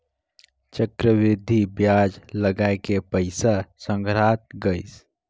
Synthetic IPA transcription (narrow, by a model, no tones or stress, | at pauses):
t͡ʃəkɾəʋid̪ʱibjad͡ʒləɡaekepəɪsasə̃ŋɡʱɾat̪̚ɡəɪs